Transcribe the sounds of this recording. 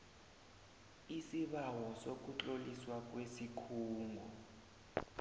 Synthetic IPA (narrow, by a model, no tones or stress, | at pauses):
isiɓawɔsok̬ut͡ɬʼoliswak̬ʼwesikʰuːŋɡʱɔ